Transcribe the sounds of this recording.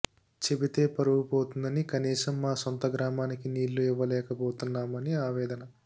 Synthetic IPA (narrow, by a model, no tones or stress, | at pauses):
t͡ʃe̞bit̪e̞ːpɐɾɐʋupoːt̪und̪ɐnikɐniːsɐmːaːsont̪ɐɡɾaːmaːnikiniːlːuiʋːɐlɛːkɐpoːt̪unːaːmɐniaːʋɛːd̪ɐnɐ